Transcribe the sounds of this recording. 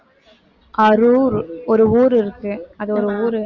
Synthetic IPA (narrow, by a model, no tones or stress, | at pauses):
ɐɾuːɾɔɾɯuːɾɪɾɯkːɯɐðɯɔɾɯuːɾɯ